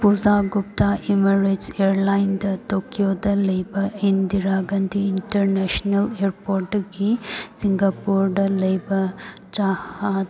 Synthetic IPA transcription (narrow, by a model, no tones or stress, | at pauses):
puzaːɡup̚t̪aʔimɐɾeseːɾlajnd̪ɐt̪okijoːd̪ɐlɐjbɐind̪iɾaːɡɐnd̪iːɳʈɐɾneːʃnɐleːɾpoːɾʈɡesiŋɡɐpuːɾɖɐlɐjbɐt͡ʃaːhad̪